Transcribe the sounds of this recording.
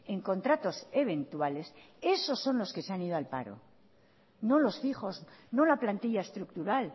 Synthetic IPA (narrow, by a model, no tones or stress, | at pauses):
e̞ŋko̞nt̪ɾat̪o̞se̞β̞e̞nt̪uwale̞s | e̞so̞sːo̞nlo̞ske̞seanið̞o̞alpa̰ɾo̞̰ | no̞lo̞sfiχo̞zno̞laplant̪iʎae̞st̪ɾuk̚t̪uɾal